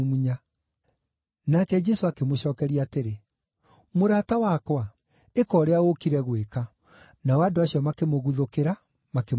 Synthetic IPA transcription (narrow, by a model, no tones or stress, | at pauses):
muɲa | nakɛd͡ʒɛsoakemoɕɔːkɛɾiaːteɾe | moɾatawakwa | ekɔːɾeaokiɾɛɣweka | nawaːdoaɕjɔmakemoɣuðokeɾa | make